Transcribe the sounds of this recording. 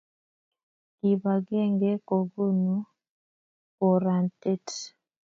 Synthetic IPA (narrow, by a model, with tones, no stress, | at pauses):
ki˨ba˨ɡɛ˦ŋɡɛ˦ko˨ɡu˦˨nu˦ | ko˨ɾa˨nte˦t